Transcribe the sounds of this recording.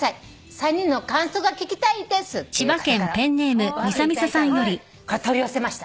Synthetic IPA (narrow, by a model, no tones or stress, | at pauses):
a | sãɲ̟ːĩnːokãɰ̃soːɡakʲikʲi̥t̪aid̪esɨt͡ɕibakẽ̞mpẽ̞nːe̞ːmɯ̟mʲisamʲisasãɰ̃jo̞ɾʲi | kat̪oɾʲiose̞maɕi̥t̪a